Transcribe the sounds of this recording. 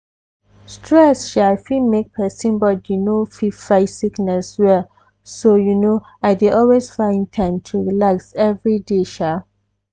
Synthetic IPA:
stʰɹɛsʃafimek̚pʰɛsĩnbɔtjunofifaɪsiknɛswɛ | sojuno | aɪdeʔɔlwezfãɪ̃ntʰãɪ̃mtʰuɹilaksɛvɹideʃa

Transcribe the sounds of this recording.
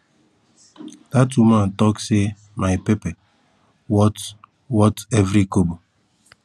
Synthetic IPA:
d̥at̬uman̩tɔkse | maɪpepɛ | wɔt | wɔtevɾikobo

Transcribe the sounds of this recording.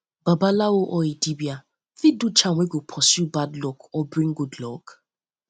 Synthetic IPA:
b̥abalawoʔɔidibia | fidut͡ʃaŋʷwʷeɡopʰɔsjubadlɔkɔbɹĩŋɡudlɔk

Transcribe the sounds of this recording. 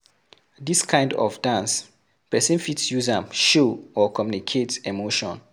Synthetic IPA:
diskʰãɪ̃ndɔ̰fdãns | pɛsĩnfitsjuzãmʃoɔkʰɔmjunikʰetemoʃɔ̰̃n

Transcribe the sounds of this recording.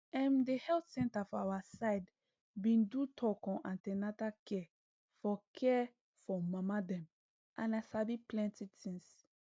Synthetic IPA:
ɛ̃mdehɛltsɛ̃ntafɔawasaɪd | bĩndutʰɔkɔ̃ʔãntɛ̃natakʰɛ | fɔkʰɛ | fɔmamadɛ̃m | ʔã̰nasabiplɛ̃ntitʰĩŋs

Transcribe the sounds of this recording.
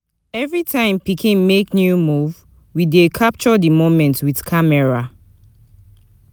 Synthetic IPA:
ɛvɹitʰãɪ̃mpikʰĩnmeknjumuv | widekʰap̚t͡ʃɔdimomɛ̃ntwiðkʰamɛɹa

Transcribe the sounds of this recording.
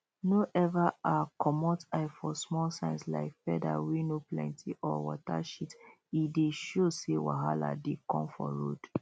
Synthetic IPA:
noʔɛvaakʰɔmɔtaɪfɔsmɔlsãɪ̃nsla̰ɪkfɛdawinoplɛ̃ntʰiʔɔwɔtaʃit | ideʃosewa̰ɦala̰dekɔ̃mfɔ̰ɹo̰d̥

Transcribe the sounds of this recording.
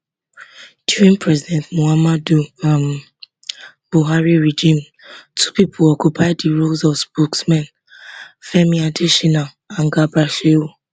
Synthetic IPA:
d̥juɹĩnpʰɹɛzidɛ̃ntmoamaduam | b̥uɦaɹiɹed͡ʒĩm | tʰupipʰoɔkjupʰaɪddiɹulzɔvspoksmɛ̃n | fɛmiadiʃina | ãnɡabɹaʃeu

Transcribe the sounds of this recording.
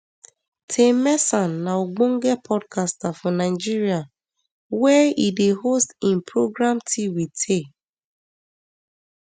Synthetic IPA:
tʰemɛsãnːaoɡ͡bõŋ̩ɡɛpʰɔdkʰastafɔnaɪd͡ʒiɹia | wɛideɦostĩmpʰɹoɡɹamtʰiwitʰe

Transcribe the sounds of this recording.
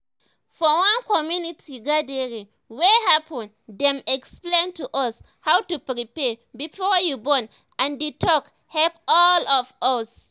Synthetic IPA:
fɔwãnkɔmjunitʰiɡadɛɹi | wɛhapʰɔ̃n | dɛ̃mɛksplẽntuʔɔs | hawtupɹipɛbifɔjubɔ̃n | ãnditʰɔk | hɛlpɔlɔfɔs

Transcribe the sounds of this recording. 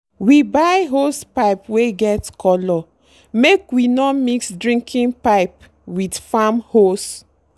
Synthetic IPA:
wibaɪɦostpaɪpweɡɛtkʰɔlɔ | mekwinɔmiksdɹĩŋkʰĩnpaɪp | widfamhos

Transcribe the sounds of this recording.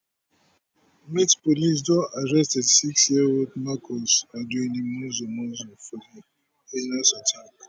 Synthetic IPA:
mitpolis̬dɔ̃naɹɛstɛdsiksjioldmakʰɔsaduĩnĩmũzɔmɔzɔfɔdi | enasɔtʰak

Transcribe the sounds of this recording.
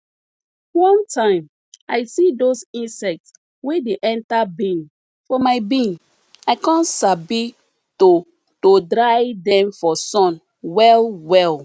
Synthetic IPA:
wɔ̃ntʰãɪ̃m | aɪsidosĩnsɛk̚ts | wedeʔɛ̃ntabĩn | fɔmaɪbĩn | aɪkãnsabi | to | todɹajdɛ̃mfɔsɔ̃n | wɛlwɛl

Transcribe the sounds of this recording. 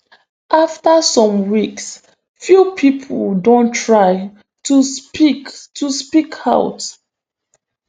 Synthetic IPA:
ʔaftəsɔ̃mwiks | fjupʰipʰə̰ldõntʰɹaɪ | tupiktuspikʰaʊwt

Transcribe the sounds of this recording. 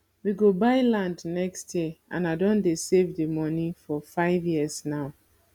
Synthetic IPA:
wiɡobaɪlãndnɛkstʰjɛʔã̰naɪdõndesevdemɔnifɔfaɪvjiəznaʊ

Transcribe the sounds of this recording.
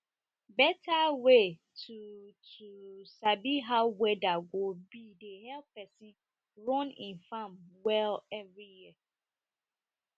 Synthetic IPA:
bɛtʰawe | tʰutʰusabiɦawɛdaɡobidehɛlpʰɛsĩn | ɹɔ̃nḭ̃nfãmwɛlɛvɹijiə

